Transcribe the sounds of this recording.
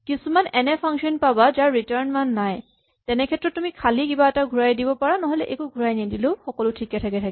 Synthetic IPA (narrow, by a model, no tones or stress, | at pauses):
kisumanɛnɛpʰaŋksɔnpabazaɹːitaɹnmanːaj | tɛnɛkʰɛtɹɔtːumikʰalikibaɛtaɡʱuɹajdibɔpaɹanɔɦɔlɛʔekuɡʱuɹajnidiloʊxɔkɔlʊtʰikɛtʰakɛtʰakɛ